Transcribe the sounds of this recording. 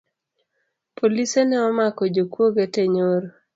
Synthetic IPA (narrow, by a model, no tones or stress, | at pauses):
pʰolisenɛɔmakɔd͡ʒokwoɡeteɲoɾ